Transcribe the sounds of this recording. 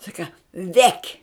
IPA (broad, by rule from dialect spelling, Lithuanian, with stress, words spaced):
ˈsɑːkɐ ˈʋʲɛkʲ